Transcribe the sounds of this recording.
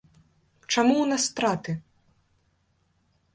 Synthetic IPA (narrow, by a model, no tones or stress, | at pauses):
t͡ʂamuwnast̪ɾat̪ɨ